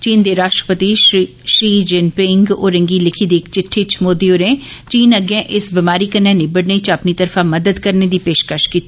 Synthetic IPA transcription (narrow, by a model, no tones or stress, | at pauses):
t͡ʃiːnd̪eːɾaːʃʈɾəpət̪iː | ʃɾiːd͡ʒɪnpɪ̃ŋɡo̰ːɾə̃ŋɡiːlɪkʰiːd̪eːkt͡ʃɪʈʰːeːt͡ʃmoːd̪ioːɾẽːt͡ʃiːnəɡɛ̃ːʔɪsbɪmaːɾiːkənːɛ̃ːneːbəɽneit͡ʃapniːt̪əɾfãːməd̪əd̪kəɾneːd̪iːpeːʃkəʃkiːt̪ːiː